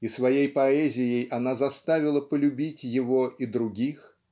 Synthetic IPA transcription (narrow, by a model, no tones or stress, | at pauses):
isvɐjejpɐɛzʲɪjejʔɐnazɐst̪avʲɪlˠəpəlʲʉbʲitʲjɪvoʔid̪ɾʊɡʲix